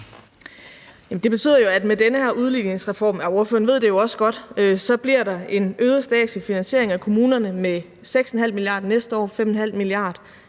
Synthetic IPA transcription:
jæmn̩d̥e̝b̥e̝t͡sʰy̰ð̰ˠɐjoæd̥medenəhæɐʔuð̞ˠli̥ne̝ŋsʁɛfɒ̰ːmæo̝ɐføɐnʋe̝ð̞̰ˠd̥e̝jo̝ɒ̽sə̥ɡ̥ɒ̽d̥øsɒ̽b̥liɐ̰d̥ɑ̈e̝nøːðˠɐsd̥ɛ̰ːd̥sifinænɕe̝ɐ̰e̝ŋækʰo̝muːnɐnəme | seɡ̥snɦæl̰miliɑ̰̈ːd̥nesd̥əɒ̰ːfemɔn̩hæl̰miliɑ̈ːd̥

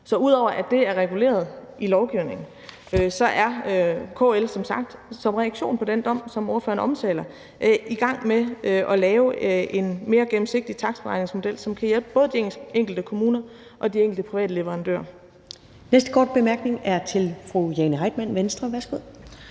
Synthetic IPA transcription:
sɒ̽uð̞̰ˠɒʊ̰ɐʔæd̥e̝æɐʁɛɡ̥ule̝̰ːɐð̞̩ˠʔilɒʊɡ̥iʊne̝ŋn̩ | øsɒ̽ʔæɐøkʰo̰ːelsɒ̽msɑ̈ɡ̥̚d̥sɒ̽mʁɛæɡ̥ɕo̝̰ːnpʰɒ̽d̥end̥ɒ̽m̰sɒ̽mɒɐfø̰ɐnəɒ̽mt͡sʰɛ̰ːlɐ | ʔʔiɡ̥ɑ̈ŋ̰meʔɒ̽lɛːʊe̝nme̝ːɐɡ̥em̩se̝ɡ̥̚d̥it͡sʰɑ̈ɡ̥sfɒʁɑ̈ɪne̝ŋsmo̝d̥el̰sɒ̽mkʰæjelb̥əb̥ɔ̽ːðˠd̥ieŋ̰ɡ̥l̩d̥əkʰo̝muːnɐ | ʔɒ̽d̥ieŋ̰ɡl̩dəpʰʁiʋɛ̰ːdəle̝ʋəʁɑ̈nd̥ø̰ːɐ̰ | nesd̥əkʰɒːd̥̚b̥e̝mæɐɡ̥ne̝ŋæɐt͡sʰe̝lfʁujenəɦɑ̈ɪd̥mæn̰ʋensd̥ʁɐʋæɐsɡ̥oð̰ˠ

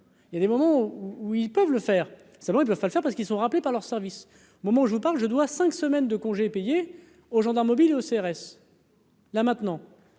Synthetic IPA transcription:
iljad̪emɔmɑ̃uuilpœvləfɛːʁ | samɑ̃ilpœv̥paləfɛʁpaʁsə̥kilsɔ̃ʁaplepaʁlœʁsɛʁvis | omɔmɑ̃uʒəvupaʁlʒəd̪wasɛ̃ksəmɛnd̪əkɔ̃ʒepeje | oʒɑ̃d̪aʁmːɔbileoseɛʁɛs | lamɛ̃t̪nɑ̃

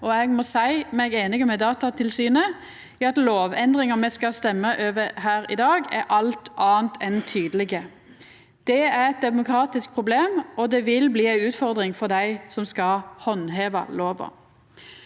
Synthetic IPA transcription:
ɔɛɡmɔsæɪmɛɡeːnɪɡəmɛd̪ɑːt̪ɑt̪ʰɪlsyːnə | iːɑt̪loːʋɛnd̪ʁɪŋəmɛskɑst̪ɛmːəʔøːʋəhæːɾɪ̰d̪ɑːɡɛʔɑlt̪ʰʔɑːənt̪ʰɛnt̪ʰyːd̪əlɪɡə | d̪̥ɛæʁɛt̪̚d̪ɛmʊkʰɾɑːt̪ɪsk̚pʰʁʊbleːmɔd̪ɛʋɪlbliːæɪʉːt̪fɔʁd̪ʁɪŋfɔʁd̪æɪsɔmskɑhɔnɦeːʋə̰loːʋə̰

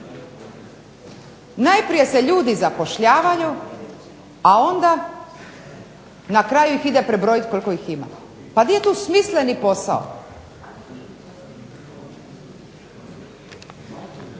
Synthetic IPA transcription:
najpɾije̞se̞ʎuːd̪izapo̞ʃʎaːʋaju | ao̞nd̪a | nakɾajuixid̪epɾebɾo̞jit̪kolikoixima̰ | pad̪ije̞t̪uːsmisle̞nipo̞sa̰o̰

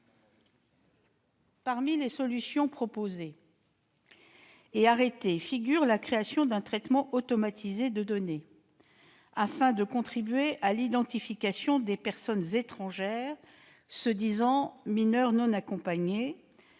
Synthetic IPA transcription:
paʁmilesɔlysjɔ̃pχɔpoze | aʁet̪efiɡʲyʁlakχeasjɔ̃d̪ɛ̃t̪χɛt̪mɑ̃ʔɔt̪ɔmat̪ʰized̪əd̪ɔne | afɛ̃d̪əkɔ̃t̪χibɥeʔalid̪ɑ̃t̪ifikʲasjɔ̃d̪epɛʁsɔnzet̪χɑ̃ʒɛːʁ | səd̪izɑ̃minœʁnɔ̃nakɔ̃paɲe

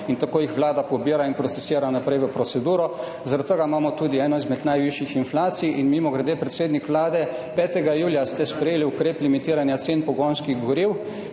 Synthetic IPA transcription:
int̪akoːjixʋlaːd̪apɔbiːɾainpɾɔt̪sɛsiːɾanapɾɛjʋəpɾɔt̪sɛd̪uːɾɔ | zaɾat̪t̪əɡamaːmɔt̪uːd̪iɛːnɔizmɛd̪najʋiʃjixinflaːt̪sijʔinmiːmɔɡɾɛd̪epɾɛt̪seːd̪nikʋlaːd̪ɛ | pɛːt̪ɛɡajuːljast̪ɛspɾɛjeːliukɾeːplimit̪iːɾanjat̪seːnpɔɡonskiɣɡɔɾiw

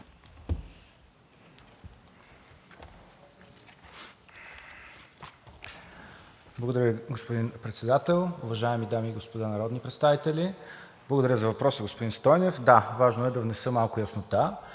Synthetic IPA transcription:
blˠəɡod̪ɐɾʲjəɡospod̪inpɾɛt̪sɛd̪at̪ɛlˠʊvɐʒaɛmid̪amiːɡospod̪anɐɾɔd̪nipɾɛt̪st̪avit̪ɛlʲi | b̥lˠəɡod̪ɐɾʲjəzɐvɐpɾɔsəɡospod̪inst̪ɔjnɛfd̪avaʒnoɛd̪ɐvnɛsəmalˠkʊjəsnot̪a

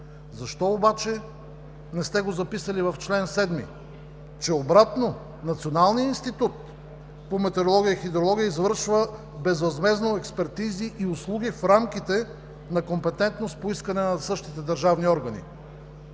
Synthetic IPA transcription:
zɐʃt̪ɔobat͡ʃɛ | nɛst̪ɛɡozɐpisəlivɐft͡ʃlɛnsɛd̪mḭ | t͡ʃɛobɾat̪no | nɐt̪sionalˠnijəinst̪it̪ut̪ | pomɛt̪ɛɾolˠɔɡʲijəixid̪ɾolˠɔɡʲijəizvɤɾʃvə | bɛzvɐzmɛznoɛkspɛɾt̪iziʔiʊslˠuɡ̟ifɾamkʲit̪ɛ | nɐkompɛt̪ɛnt̪nost̪̚poiskɐnɛnɐsɤʃt̪it̪ɛd̪ɐɾʒavniɔɾɡɐnḭ

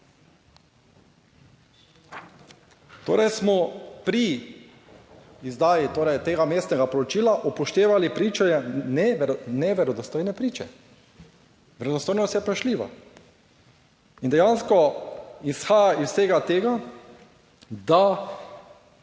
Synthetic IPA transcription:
t̪o̰ːɾɛjsmɔpɾi | izd̪aːjit̪oːɾɛjt̪eːɡameːst̪nɛɡapɔɾɔt͡ʃiːlaʔɔpɔʃt̪eːʋalipɾiːt͡ʃɛɛnɛnɛʋɛɾɔd̪ɔst̪oːjnɛpɾiːt͡ʃɛ | ʋɛɾɛd̪ɔst̪oːjnɔst̪jɛpɾaʃliːʋa̰ | ind̪ɛjaːnskɔisxaːjaisseːɡat̪eːɡa | d̪a

